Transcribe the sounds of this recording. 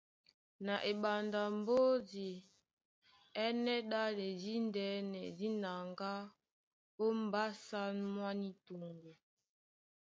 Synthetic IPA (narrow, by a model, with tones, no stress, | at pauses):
na˨ʔe˨ɓa˨nda˨m˦bo˦di˨ | ɛ˦nɛ˦ɗa˦le˨di˦n˦dɛ˨˦nɛ˨di˦na˨ŋɡa˦ | bo˦m̩˦ba˦sa˦nmwa˦ni˦tu˨ŋɡu˨